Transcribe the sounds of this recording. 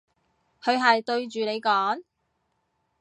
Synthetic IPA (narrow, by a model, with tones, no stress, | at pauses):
kʰɵ˨˧ɥɦɐ˨jt̪ɵ˧ɥt͡ʃyː˨ne˨˧jkɔː˨˥ŋ